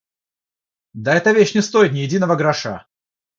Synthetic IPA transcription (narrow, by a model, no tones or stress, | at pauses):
d̪aɛt̪əvʲeɕnʲɪst̪o̞ɪt̪nʲɪjɪdʲinəvəɡɾɐʂa̰